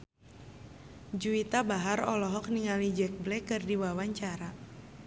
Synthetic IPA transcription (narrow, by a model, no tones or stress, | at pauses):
d͡ʒuit̪abaɦaɾɔlɔɦɔk̚niŋalid͡ʒɛk̚blɛkɨrdiwawaɲt͡ʃaɾa